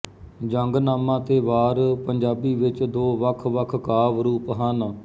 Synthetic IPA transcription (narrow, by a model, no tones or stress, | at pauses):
d͡ʒəŋɡnaːmãːt̪eːʋaːɾpəɲd͡ʒaːbiːʋɪt͡ʃd̪oːʋəkʰʋəkʰkaːʋɾuːpəɦaːnː